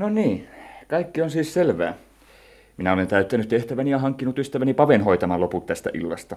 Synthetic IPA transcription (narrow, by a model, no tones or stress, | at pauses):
noniːkɑikːionsiːsselʋæ̰ː | minæolent̪æyt̪ːænyt̪t̪eht̪æʋænijɑhɑŋkːinut̪yst̪æʋænipɑʋenhoit̪ɑmɑloput̪t̪æst̪æ̰ʔḭlːɑ̰st̪ɑ